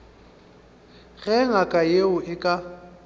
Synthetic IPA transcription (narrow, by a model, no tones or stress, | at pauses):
ɣɛŋakʼajeʊʔɪkʼa